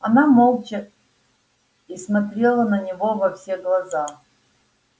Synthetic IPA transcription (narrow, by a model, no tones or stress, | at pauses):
ɐnamolˠt͡ʃə | ismɐt̪ɾʲelˠənənʲɪvovɐfsʲeɡlˠɐza